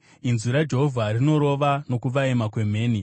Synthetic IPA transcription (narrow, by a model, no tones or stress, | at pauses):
inzuɾad͡ʒe̞ɦovʱarino̞ɾo̞ʋano̞kuʋaemakwe̞me̞ːni